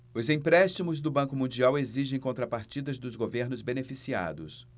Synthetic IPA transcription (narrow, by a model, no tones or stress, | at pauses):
ʊzĩpɾɛst͡ʃimʊzd̪ʊbɐ̃kʊmũnd͡ʒiaweziʒẽj̃kõnt̪ɾɐpaɾt͡ʃid̪ɐzd̪ʊzɡoveɾnʊzbenefisia̰d̪ʊs